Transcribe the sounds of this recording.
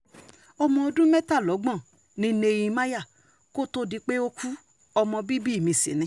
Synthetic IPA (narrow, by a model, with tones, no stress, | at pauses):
ɔ˧mɔ̃˧o˧dũ˦mɛ˦ta˦˨lɔ˨˦ɡ͡bɔ̃˦˨ | nĩ˨˦ne˧jĩ˧mã˦ja˦˨ | ko˦to˦di˧k͡pe˦o˧kʰu˦ | ɔ˧mɔ̃˧bi˦bi˦˨mĩ˧sḭ˨nĩ˨˦